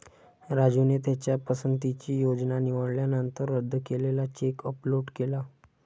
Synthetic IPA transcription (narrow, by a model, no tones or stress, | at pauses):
ɾad͡ʑunet̪̬jat͡ɕjapəsənt̪it͡ɕiːjod͡ʑnaniʋəɽljanənt̪əɾːəd̪ʱːəkelelat͡ɕekəploʈkela